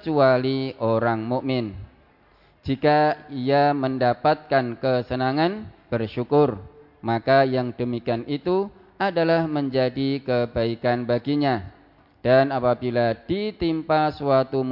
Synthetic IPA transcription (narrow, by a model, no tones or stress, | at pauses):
t͡ʃualioɾaŋmuʔmɪn | d͡ʒikaiaməndapat̪̚kankəsənaŋanb̥ərʃukʊr | makajaŋdəmikianit̪u | adalahməɲd͡ʒadikəbaikanbaɡiɲa | d̥anapabilad̥it̪impasuat̪um